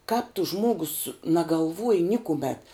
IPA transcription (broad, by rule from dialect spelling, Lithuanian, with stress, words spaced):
kɑːp tʊ ˈʒmoːɡʊs nɐɡɐlˠˈʋuɔjɪ ˈnʲɪkʊmʲɛt